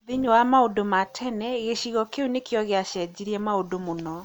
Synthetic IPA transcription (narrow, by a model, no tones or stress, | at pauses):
ðiɲowamaodomatʰɛnɛɣeʃiɣɔkeunekjɔɣeaɕɛd͡ʑiɾiɛmaodomonɔ